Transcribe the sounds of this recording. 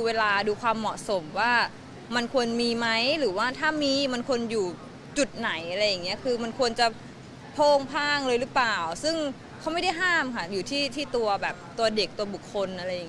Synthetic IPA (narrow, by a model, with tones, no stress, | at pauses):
uː˧weː˧laː˧duː˧kʰwaː˧mːɔ˨˩ʔso˩˦mwaː˥˩ | ma˧nkʰu˧ənmiː˧ma˦˥jɾɯː˩˦waː˥˩t̪ʰaː˥˩miː˧ma˧nkʰu˧ənjuː˨˩ | t͡ɕu˨˩t̪̚na˨˩˦jʔa˧ɾa˧jːa˨˩ŋːi˦˥ɐkʰɯː˧ma˧nkʰu˧ənt͡ɕa˨˩ | pʰoː˥˩ŋpʰaː˥˩ŋlɤː˧jlɯ˦˥plaː˨˩wsɯ˥˩ŋ | kʰa˦˥ma˥˩jda˥˩jɦaː˥˩mkʰa˥˩juː˨˩t̪ʰiː˥˩t̪ʰiː˥˩t̪u˧ɐbɛː˨˩p̚t̪u˧ɐde˨˩k̚t̪u˧ɐbu˨˩kʰːo˧nʔa˧ɾa˧jːa˨˩ŋ˦